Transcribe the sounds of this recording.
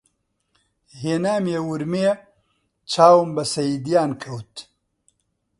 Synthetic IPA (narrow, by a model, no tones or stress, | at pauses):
heːnaːmjewuɾmeː | t͡ʃʰaːwmbɐsɐjid̪ijaːnkʰɐwt̪